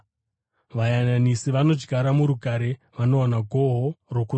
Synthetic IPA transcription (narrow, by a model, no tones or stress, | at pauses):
ʋajananisiʋano̞d͡ʒɡʱaɾamuɾuɡʱaɾe | ʋano̞anaɡʱo̞ɦoroku